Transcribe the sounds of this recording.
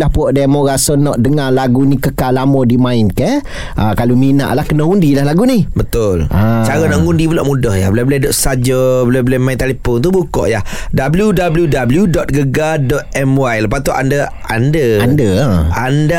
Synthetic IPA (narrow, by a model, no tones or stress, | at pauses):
lahpuɔʔdamɔɣasənɔʔdəŋalaɡunikəkalamɔdimãɪnkɛ | ʔakalumina̰ʔlahkənəundilaɦlaɡunibət̪ʊlat͡ʃaɾənaʔŋundibulaʔmudɔhjabulabuladɔʔsad͡ʒəbəlabəlamaint̪alepɔnt̪ubukɔ̰ʔjah | dabəljudabəljudabəljudɔt̪̚ɡəɡadɔt̪̚ɛmwajləpat̪uʔa̰ndə | andəandəanda